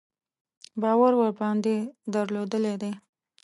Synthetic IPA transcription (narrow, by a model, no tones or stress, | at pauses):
bɑwaɾwəɾbɑnd̪ed̪əɾlod̪əled̪e